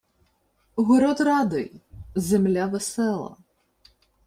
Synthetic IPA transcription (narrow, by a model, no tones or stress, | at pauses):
ɦɔɾɔt̪rɑd̪ɪ̰jzemlʲaʋesɛlˠɐ̰